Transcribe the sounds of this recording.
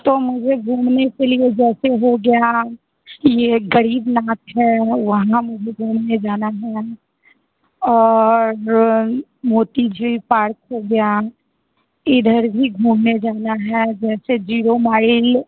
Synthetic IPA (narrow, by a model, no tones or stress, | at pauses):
t̪omʊd͡ʒʱeɡʱũːmnekelied͡ʒɛːseɦoɡɐja | jeɡɐɾiːbnaːt̪ɦɛʋɐɦãmʊd͡ʒʱeɡʱuːmned͡ʒaːnaɦɛ | ɔːɾ | moːt̪id͡ʒʱipaːɾkɦoɡɐja | ɪd̪ʱəɾbʱiɡʱuːmned͡ʒaːnaɦɛd͡ʒɛːsed͡ʒiːɾomaːɪl